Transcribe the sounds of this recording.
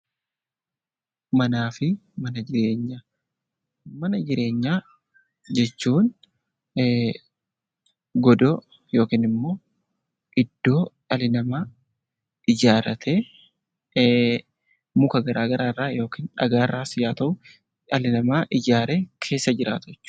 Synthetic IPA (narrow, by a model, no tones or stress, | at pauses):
mɐnaːfɪmɐnɐd͡ʒɪɾe̞ːɲːaː | mɐnɐd͡ʒɪɾe̞ːɲːaː | d͡ʒɛt͡ʃːuːn | ɡɔd̪o | jo̞ːkiːnɪmːo̞ː | ʔɪd̪̥ːo̞ːʔɐlɪnɐmaː | ʔɪd͡ʒaːɾɐt̪ʰeː | mʊkɐɡɐɾaːɡɐɾaːrːaːjo̞ːkiːnɐ̰ɡaːrːaːsɪjaːt̪ɐʔʊ | ɐlɪnɐmaːʔɪd͡ʒaːɾeːkʰe̞ːsːɐd͡ʒɪɾa̰ːt̪ʊɛt͡ʃːʊ̥